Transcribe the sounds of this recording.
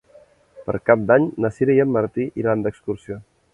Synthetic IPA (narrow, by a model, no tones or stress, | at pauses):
pə̰ɾkap̚d̪aɲnəsiɾɛjəmːəɾt̪iʔiɾand̪əkskursio